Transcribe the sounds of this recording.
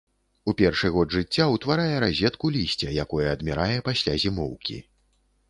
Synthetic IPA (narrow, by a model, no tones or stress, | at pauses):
upʲɛrʂɨɣɔd̪ʐɨt͡sʲːawt̪vaɾajɛɾazʲɛt̪kulʲisʲt͡sʲɛjakɔjɛɐd̪mʲɛɾajɛpasʲlʲazʲimɔwkʲḭ